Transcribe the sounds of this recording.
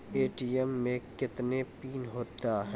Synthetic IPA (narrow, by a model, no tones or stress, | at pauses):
eːʈiɛmːẽkɪt̪nepiːnɦoːt̪aɦɛ̃